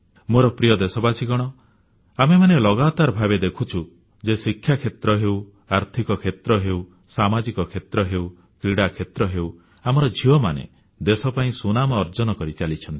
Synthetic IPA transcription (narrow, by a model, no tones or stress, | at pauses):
moɾɔpɾijɔd̪esɔbasiɡɔɽ̃ɔ | amemanelɔɡat̪aɾbʱabed̪ekʰut͡ʃʰu | d͡ʒesikʰːjakʰet̪ɾɔɦew | aɾt̪ʰikɔkʰet̪ɾɔɦew | samad͡ʒikɔkʰet̪ɾɔɦew | kɾiɽakʰet̪ɾɔɦew | amɔɾɔd͡ʒʱiɔmanḛ | d̪esɔpaĩsunamɔːɾd͡ʒɔnɔkɔɾit͡ʃalit͡ʃʰɔnt̪i̥